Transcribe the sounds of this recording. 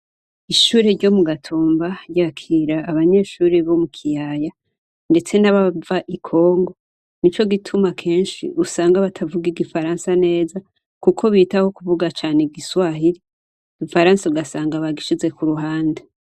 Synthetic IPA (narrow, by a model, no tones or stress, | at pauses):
iʃuːɾeɾɟo̞muɡatʰoːmbaɾjaːkʰiɾaːβaɲe̞ːʃuːɾeβo̞mukʰijaːja | nde̞t͡se̞naβavaʔikʰo̞ːŋɡo̞ | nit͡ʃo̞ɡitʰumakʰe̞ːnʃḭʔusaːŋɡaβatʰavuɡiɡifaɾaːnsane̞ːza | kukʰo̞βiːtaho̞kuvuɡat͡ʃaːneɡiswaɦiɾi | ɡ̥ifaɾaːnsauɡasaːŋɡaβaɡiʃize̞kuɾuɦaːnde